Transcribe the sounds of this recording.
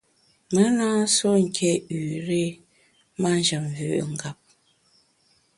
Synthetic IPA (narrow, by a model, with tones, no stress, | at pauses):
mə˨˦naː˦so˦ŋ̩˨kʰɛ˦˨ʉ˨ɾe˦ | ma˦n˦d͡ʒə˨mvʉ̰˨ʔŋ˨ɡa˨p̚